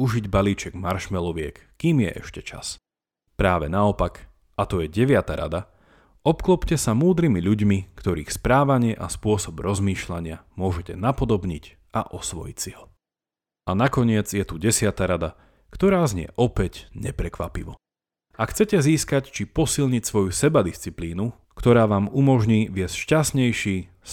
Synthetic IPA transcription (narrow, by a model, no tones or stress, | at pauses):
uʒiɟbaliːt͡ʃɛɡmaɾʃmɛlɔʋɪɛkːiːmɪjɛ̰ʔɛ̰ʃcɛt͡ʃa̰s | pɾaːʋɛnaɔpak | ʔat̪ɔjɛɟɛʋɪat̪aɾa̰d̪a | ʔɔpklɔpcɛsamuːd̪ɾimiʎuɟmikt̪ɔɾḭːxspɾaːʋaɲɪɛʔaspʊɔsɔbɾɔzmiːʃlaɲɪamʊɔʒɛcɛnapɔd̪ɔbɲic | aʔɔsʋɔ̰jḭcsiɦɔ | ʔanakɔɲɪɛd͡zjɛt̪uɟɛsɪat̪aɾad̪a | kt̪ɔɾaːzɲɪɛ̰ʔɔpɛɟɲɛpɾɛkʋa̰pḭʋɔ | ʔakxt͡sɛcɛziːskact͡ʃipɔsilɲicsʋɔjusɛbad̪ist͡sipliːnu | kt̪ɔɾaːʋaːmumɔʒɲiːʋɪɛscʃcasɲɛjʃiː | s